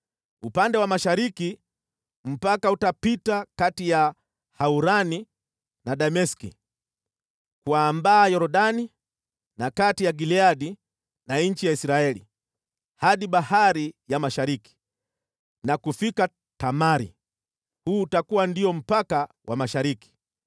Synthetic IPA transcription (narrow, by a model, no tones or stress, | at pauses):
upandɛwamaʃaɾiki | m̩pakautapitakatija | hauɾani | naɗamɛskḭ | kuambaːjɔɾɔɗani | nakatijaɡiliaɗi | naɲ̩t͡ʃijaisɾaɛlḭ | haɗiɓahaɾijamaʃaɾiki̥ | nakufika | tamaɾḭ | huːtakuwandiɔm̩paka | wʔamaʃaɾiki̥